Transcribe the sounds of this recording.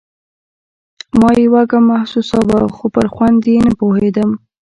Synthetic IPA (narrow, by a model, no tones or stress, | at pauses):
mɑjewaɡamahsusɑwaxopəɾxwand̪jenəpohed̪əm